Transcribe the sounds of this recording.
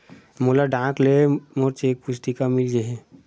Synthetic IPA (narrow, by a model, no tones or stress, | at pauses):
molaɖãːklemoɾt͡ʃeːk̚pʊsʈ̪ikamɪld͡ʒeɦẽ